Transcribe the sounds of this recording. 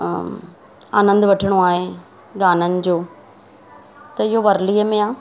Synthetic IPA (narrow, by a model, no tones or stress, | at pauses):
a̰ːnə̃nd̪ʋɐʈʰɪɽ̃oaːɦe | ɡaːnənɪ̆d͡ʑoː | t̪ɐɪɦoʋɐɾliːəmẽaː